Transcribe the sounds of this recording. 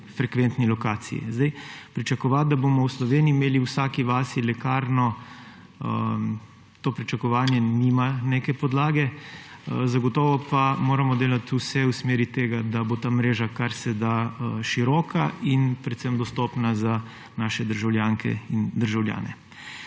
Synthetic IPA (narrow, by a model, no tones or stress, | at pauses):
fɾɛkʋent̪nilɔkaːt̪sḭjḭzd̪ajpɾit͡ʃakɔʋad̪aboːmɔwslɔʋeːniiːmeːliuwsaːkiʋaːsilɛkaːɾnɔ | t̪oːpɾit͡ʃakɔʋaːnjɛniːmaneːkɛpɔd̪laːɡɛ | zaɡɔt̪ɔːʋɔpamoːɾamɔd̪eːlat̪uwsɛusmeːɾit̪eːɡad̪abot̪aːmɾeːʒakaɾsɛd̪aʃiɾɔːkʰaʔinpɾɛt̪sɛmd̪ɔst̪ɔːpnaza | naːʃɛd̪əɾʒawljaːŋkʰɛ̰ind̪əɾʒawlja̰ːnɛ̰